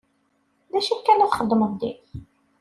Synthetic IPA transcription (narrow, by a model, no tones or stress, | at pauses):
ðæʃækːænʊʁχəd̪ˤːməðˤd̪ḭθ